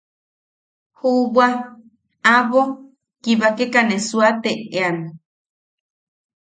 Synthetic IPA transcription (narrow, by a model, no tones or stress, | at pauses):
huβwa | aβo | kiβakekanesuat̪eeane